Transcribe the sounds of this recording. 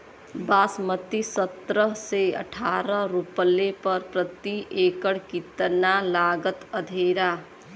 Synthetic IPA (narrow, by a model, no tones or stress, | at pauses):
basmət̪isət̪ɾəɦseə̰ʈʰaɾəɾuplepəɾpɾət̪iekəɽkit̪ənalaɡət̪əd̪ʱeɾa